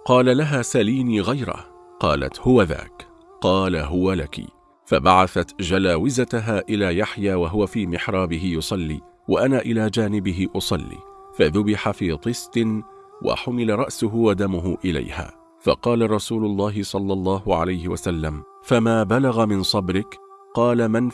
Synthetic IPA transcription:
qɑːlalaɦaːsaliːniːɣajɾa̰ | qɑːla̰t̪hʊwaða̰ːk | qɑːlaɦʊwala̰kḭ | fabaʕaθat̪d͡ʒalaːwɪzat̪aɦaːʔɪlaːjaħjaːwaɦʊwafiːmɪħɾˤɑːbɪɦɪjʊsˤɑlːḭː | waʔanaːʔɪlaːd͡ʒaːnɪbɪɦɪʔʊsˤɑlːḭː | faðʊbɪħafiːt̪ˤɨst̪n | wa̰ħʊmɪlaɾˤɑʔsʊɦʊwad̪amʊɦʊʔɪla̰jha̰ː | fɑ̰qɑːlaɾˤɑsuːlʊlˤːɑːɦɪsˤɑlːɑlˤːɑːhʊʕa̰lajhɪwasalːam | famaːbalaɣamɪnsˤɑbɾɪkqɑːlaman

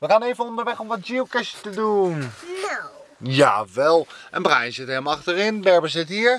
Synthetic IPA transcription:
ʋəkaneːvənɔndəɹʋɛxɔmʋɔtd͡ʒiwkɪsətədunna | ja̰ʋɛlˠʔənprajnsɪtɛmɑxtərɪnbɛɹbəs̬ɪthiːəɹ

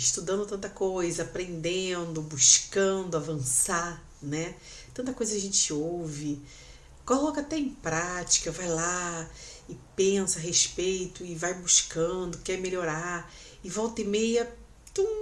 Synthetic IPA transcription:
iʃt̪ud̪ɐ̃nd̪ʊt̪ɐ̃nt̪ɐkojzɐapɾẽnd̪ẽd̪ʊbuʃkɐ̃d̪ʊavɐ̃sa | nɛ | t̪ɐ̃nt̪ɐkojzɐkaʒẽnt͡ʃɪowvɪ | kolɔkɐat̪ɛẽpɾat͡ʃi̥kɐvajla | ɪpẽsɐɦeʃpejt̪ʊɪvajbuʃkɐ̃d̪ʊkɛɾmeʎoɾa | ɪvɔwt̪ɪmejɐ | t̪ɐ̃w̃

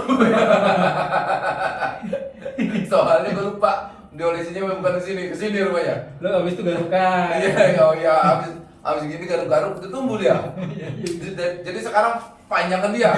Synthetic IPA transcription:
soɦalɲakaɾupaʔ | diolesiɲaməbukankəsinikəsiniɾupaɲaloabɪst̪uɡaɾukajaɡajaːbɪs | ʔa̰bɪsɡiniɡaɾʊɡaɾʊkd̪ət̪umbudia | ad͡ʒadisəkaɾaŋ | paɲaŋkandia

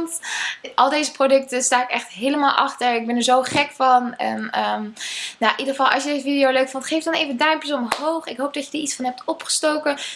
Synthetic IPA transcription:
ntʔɑlˠdejzəprodɵk̚təstaːɪkɛχtɦejləmaːlˠʔɑχtəɹɪɡ̚bɛnəɹzowχɛkfɑnɛ̰nəmjaʔidəχəfɑlˠʔɑ̰sjədezəfidijowløɥkfʊntχejfdɑnejvəndɛjmpəsɔməɦowχɪkɦowp̚dɑcədəːɹitsfɑnɦɛp̚tɔpχə̥stowkə

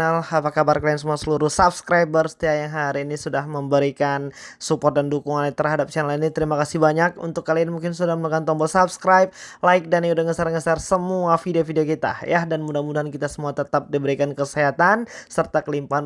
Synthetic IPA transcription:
alapakabarkalaiansəmuasəluɾʊhsap̚skɾabərsə̥t̪iajaŋɦaɾiːnisudahməmbəɾikansupɔrt̪̚dandukuŋanit̪ərɦadap̚t͡ʃanalinit̪əɾimakasihbaɲak̚ṵnt̪ʊkːalianmuŋkɪnsudahməlakant̪ɔmbɔlsap̚skɾajp̚laɪk̚daniudaŋəsarŋəsarsəmuafideofideokit̪a̰jahdanmudahmudaɦankit̪asəmuat̪ət̪ap̚dibəɾikankəsəɦat̪ansərt̪akəlimpaan

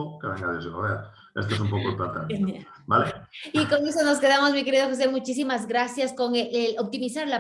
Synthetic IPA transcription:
okeβaŋaðisolo̰βea | est̪oes̬umpokoep̪at̪a | baleiko̞nesono̞ske̞ðamo̞zmike̞ɾiðoxos̬e̞mut͡ʃis̬imazɡɾasjasko̞ŋeelop̚t̪imisaɾla

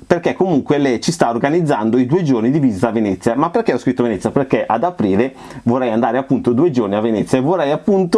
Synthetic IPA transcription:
perkɛkːomuŋkwelɛjt͡ʃist̪aorɡanid̪zːand̪oid̪uːed͡ʒornid̪ivizt̪avenɛt̪sːjamapːerkɛɔskɾit̪ːoavenɛt̪ːjaperkɛʔad̪apɾiːle | vorːɛjand̪aːɾeapːunt̪od̪uːed͡ʒorniavenɛt̪sjaevorːɛjapːunt̪o

